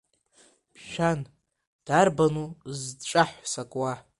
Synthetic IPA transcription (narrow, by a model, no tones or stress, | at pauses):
pʰʃᶣan | d̥arbanuzʈ͡ʂʼaħʷsakʼwa